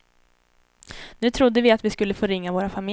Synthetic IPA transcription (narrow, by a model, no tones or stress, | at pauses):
nʉ̟ːt̪ʰɾʊd̪ːəvɪat̪vɪskɵlːəfoːɾɪŋːavoːɾafamɪ